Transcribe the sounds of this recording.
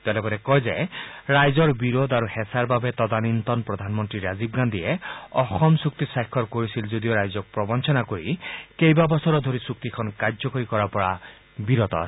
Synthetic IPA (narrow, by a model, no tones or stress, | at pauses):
t̪ɛlɛbɔɾɛkɔjzeɹajzɔɹbiɾod̪aɾuhɛsaɹbabɛt̪ɔd̪anint̪ɔnpɹɔd̪ʱanmɔnt̪ɹiɾazibɡand̪iɛɔxɔmsuk̚t̪isajkʰːɔɹkoɹisilzod̪ioɹajzɔk̚pɹɔbɔnt͡ʃʰɔnakoɹikejbabɔsɔɾɔd̪ʱoɾisuk̚t̪ikʰɔnkazɔkoɹikɔɹapɔɹa̰ | biɾɔt̪ɔ̰ɹ